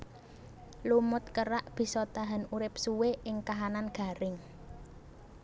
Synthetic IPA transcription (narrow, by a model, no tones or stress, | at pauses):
lumʊt̪̚kəɾaʔb̥i̤sɔt̪aɦanuɾɪp̚suweʔɪŋkaɦananɡ̥a̤ɾɪŋ